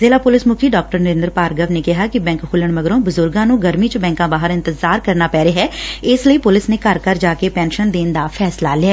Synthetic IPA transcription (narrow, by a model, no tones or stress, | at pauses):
zeːlaːpʊlɪsmʊkʰiːɖaːk̚ʈəɾnəɾɪ̃ːnd̪ɾpaːɾɡəʋneːkɪɦaːkɪbɛ̃ːŋkɦʰʊləɳməɡɾõːbʊzʊɾɡãːnũːɡəɾmiːt͡ʃəbɛ̃ːŋkãːbaːɦəɾɪ̃nt̪ɪzaːɾkəɾnaːpɛːɾeɦɛːɪsləiːpʊlɪsneːkəɾkəɾd͡ʒaːkeːpɛ̃ːnʃənd̪eːnd̪aːpʰɛːslaːlɪɛː